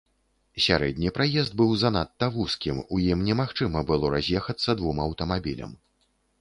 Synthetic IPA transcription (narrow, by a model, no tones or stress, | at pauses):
sʲa̰ɾɛd̪ʲnʲipɾajɛzd̪̚bɨwzɐnat̪ːɐvuskʲimujimnʲɛmaxt͡ʂɨmɐbɨlˠɔɾazʲjɛxɐt̪sːɐd̪vumɐwt̪ɐmabʲilʲɐ̰m